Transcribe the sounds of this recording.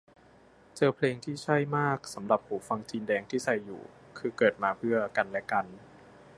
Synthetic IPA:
t͡ɕɤː˧pʰleː˧ŋt̪ʰiː˥˩t͡ɕʰa˥˩jmaː˥˩k̚sa˩˦mɾa˨˩p̚huː˩˦fa˧ŋt͡ɕiː˧ndɛː˧ŋt̪ʰiː˥˩sa˨˧˩jːṵː˨˩ | kʰɯː˧kɤː˨˩t̪̚maː˧pʰɯ˥˩ɐka˧nlɛ˦˥ka˧n

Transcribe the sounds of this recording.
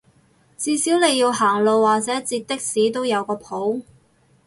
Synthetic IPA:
t͡siː˨˧siː˨˥wne˨˧jːi˧wɦaː˨˩ŋlo˨˧wːaː˨k̚t͡sɛː˨˥t͡siː˧t̚t̪ɪ˥k̚siː˨˥t̪o˥wjɐ˨˧wkɔː˧pʰo˨˥w

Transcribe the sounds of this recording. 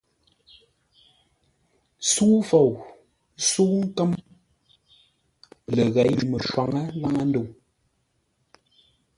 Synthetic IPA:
su˦fo˨w | su˦ŋ̩˦kə˦m | lə˨ɣɛ˨˦jmə˨ʃwa˨ŋə˦la˦ŋa˦n˦də˦˨w

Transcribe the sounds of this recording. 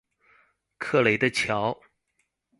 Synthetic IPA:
kʰɤ˥˩le˨˥ɪd̪ə˧t͡ɕʰjɑ˧˥ʊ

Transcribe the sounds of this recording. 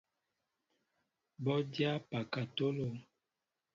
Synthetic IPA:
bɔ˦dja˦pa˨ka˨to˦lo˨

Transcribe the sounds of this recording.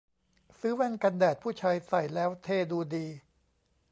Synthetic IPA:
sɯː˦˥wɛ˧nka˧ndɛː˨˩t̪̚pʰuː˥˩t͡ɕʰaː˧jsa˨˩jlɛː˦˥wt̪ʰeː˧˩duː˧diː˧

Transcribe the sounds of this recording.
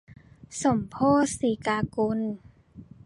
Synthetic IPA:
so˨˩˦mpʰoː˥˩˨siː˨˦kaː˧ku˧n

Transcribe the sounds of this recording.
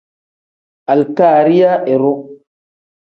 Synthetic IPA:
a˨lkaː˨ɾi˦ja˦ʔe˨ɾo˦

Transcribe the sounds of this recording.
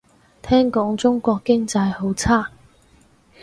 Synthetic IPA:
t̪ʰɛː˥ŋkɔː˨˥ŋt͡sʊ˥ŋkʷɔː˧kːɪ˥ŋt͡sɐ˧jho˨˥wt͡sʰaː˥

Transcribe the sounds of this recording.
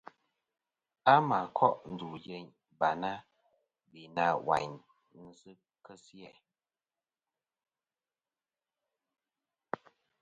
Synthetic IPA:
a˦ma˨kʰɔ˦ʔn̩˨du˨je˨ɲ | ba˨na˦ | bi˨na˦˨wa̰˨ɲ | n̩˦zɨ˦ | kə˦si˦ɛ˨

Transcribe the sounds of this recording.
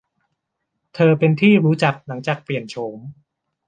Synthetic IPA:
t̪ʰɤː˧pe˧nt̪ʰiː˥˩ɾuː˦˥t͡ɕa˨˩k̚la˩˦ŋt͡ɕaː˨˩k̚pli˨˩ənt͡ɕʰoː˩˦m

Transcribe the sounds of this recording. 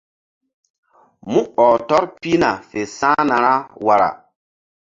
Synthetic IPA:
mũ˦ɔː˨tɔ˦ɾpi˦na˨fe˨sãː˦na˨ɾa˦wa˨ɾa̰˨

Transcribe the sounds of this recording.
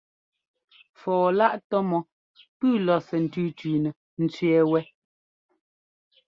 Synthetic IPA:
fɔː˨la˦ʔtɔ˦mɔ˨ | pʉː˦˨lɔ˨sɛ˨n̩˨tʉː˦tɥiː˨nɛ˨ | n̩˨˦t͡sɥɛ˦wɛ˦

